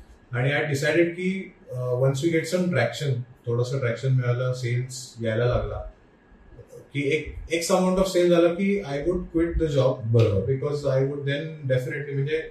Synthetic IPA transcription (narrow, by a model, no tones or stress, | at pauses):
aɽ̃iajɖisajɖeɖ̚kiːʋəns̬ʋiːɡeʈsəmʈɾækʃənt̪ʰoɽasəʈɾækɕənmiɭalaselsɡajlalaɡla | kiːekeksəmãɳʈɔʋseld͡zalakiːajʋuɖkʋiʈ̚d̪əd͡ʑɔb̚bəɾobəɾbikɔzajʋuɖd̪ɛ̃nɖefineʈlim̤ə̃ɳnd͡ʑe